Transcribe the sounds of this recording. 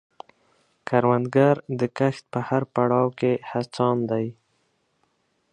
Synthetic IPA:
kaɾwand̪ɡaɾd̪əkaxt̪̚pəhaɾpaɽɑwkehat͡sɑnd̪aj

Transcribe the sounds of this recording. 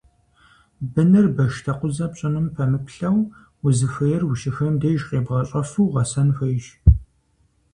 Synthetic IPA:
bɨnɨrbɐʃtʰɐqʷʊzɐpɕʼɐnʊmpʰɐmɨpɬɐw | ʊzɨfɐjɛrwʊʃɪxɐmdeːʒqeːbʁɐɕʼɐfuːʁɐsɐnfɐjʒ

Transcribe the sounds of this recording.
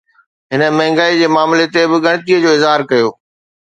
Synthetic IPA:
ɦɪnə̆mɐ̃ɦɪ̃ŋɡaːid͡ʑeːmaːmlet̪ebɪɠɐɽ̃ɪ̆t̪iːəd͡ʑoːɪzɦaːɾkɐjoː

